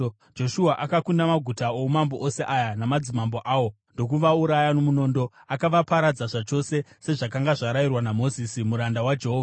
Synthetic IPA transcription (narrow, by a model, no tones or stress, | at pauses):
d͡ʒo̞ʃuaʔakakundamaɡʱutaomambo̞ʔose̞ʔajanamad͡zimambo̞ʔaːwo̞ | ndo̞k̬uʋauɾajanomuno̞ndo̞akaʋapaɾad͡zaʐat͡ʃo̞se̞se̞ʐak̬aŋɡaʐaɾajirwanamo̞zisimuɾandawad͡ʒe̞ɦoːvaa